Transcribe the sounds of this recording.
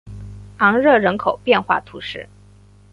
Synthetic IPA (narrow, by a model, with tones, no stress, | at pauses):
ɑ˧˥ŋɻɤ˥˩ɻə˧˥nkʰo˨˩ʊpjɛ˥˧nxwa̰˥˩t̪ʰu˧˥ʂɻ̩˥˩